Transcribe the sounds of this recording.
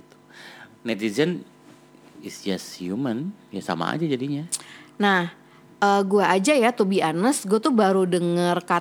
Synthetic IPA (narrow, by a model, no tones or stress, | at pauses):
it̪u̥nɛt̪izən | isd͡ʒasjumanjasa̰ma̰a̰d͡ʒad͡ʒadiɲanah | ʔəːɡuaʔːd͡ʒajat̪ubianəsɡuat̪ʊhbaɾudəŋərka